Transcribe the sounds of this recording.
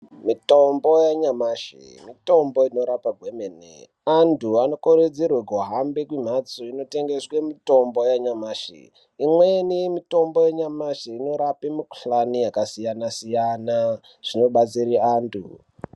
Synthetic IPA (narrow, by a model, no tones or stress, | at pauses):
mito̞mbo̞jaɲamaʃḭmito̞mbo̞ino̞ɾapaɡʱwemenḛ | antʰuano̞koɾed͡zirweɡʱoɦambekwim̤at͡soino̞te̞ŋɡeswemito̞mbo̞jaɲamaːʃḭ | imwenimito̞mbo̞jeɲamaʃiino̞ɾapimuku̥ɬanijakasijanasijana | ʐ̥ino̞ɓat͡siriaːntʰṵ